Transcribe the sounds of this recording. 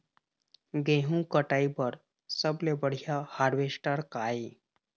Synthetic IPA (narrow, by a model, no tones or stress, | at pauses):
ɡẽɦũkəʈaibəɾ | səblebəɽ̤jahaɾʋesʈəɾkaj